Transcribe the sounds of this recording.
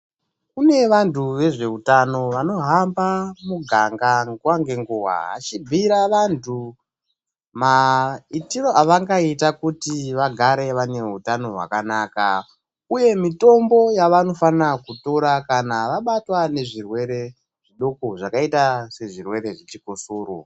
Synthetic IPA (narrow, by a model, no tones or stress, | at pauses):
kune̞ʋantuʋe̞ʐe̞utano̞ʋano̞ɦambamuɡʱaŋɡaŋɡuwaŋɡe̞ŋɡuwa̰ɦa̰t͡ʃibʱiɾaʋantʰu | maitiro̞ʔaʋaŋɡaitakutiʋaɡʱaɾe̞ʋane̞ɦutano̞ɦwa̰kanaːka | uje̞mito̞mbo̞jaʋano̞fanakuto̞ɾakanaʋaɓatwane̞ʐirwe̞ɾe̞ | ʐ̥iɗo̞koʐakaitase̞ʐirwe̞ɾe̞ʐet͡ʃikosuːɾo̰